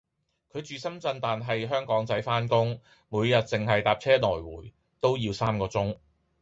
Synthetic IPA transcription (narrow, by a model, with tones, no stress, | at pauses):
kʰɵ˨˧ɥt͡ʃyː˨sɐ˥mt͡sɐ˧nt̪aː˨nɦɐ˨jɦœː˥ŋkɔː˨˥ŋt͡sɐ˨˥jfaː˥nkʊ˥ŋ | muː˨˧jjɐ˨t̚t͡sɪ˨ŋɦɐ˨jt̪aː˨p̚t͡sʰɛː˥nɔː˨˩jwuː˨˩j | t̪o˥wjiː˧wsaː˥mkɔː˧t͡sʊ˥ŋ